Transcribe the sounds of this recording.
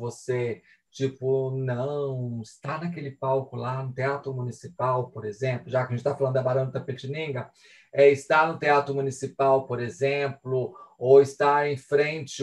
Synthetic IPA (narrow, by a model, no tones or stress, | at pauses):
vose | t͡ʃipʊnɐ̃w̃ɪst̪anɐkelɪpawkʊlanʊt̪eat̪ɾʊmunisipawpoɾezẽplʊʒakɐʒẽt͡ʃɪt̪afalɐ̃d̪ʊd̪ɐbaɾɐ̃ñd̪ɐt̪ɐpet͡ʃinĩŋɡɐ | ɛɪst̪anʊt̪eat̪ɾʊmũnisipawpoɾezẽplʊowɪst̪aẽj̃fɾẽt͡ʃɪ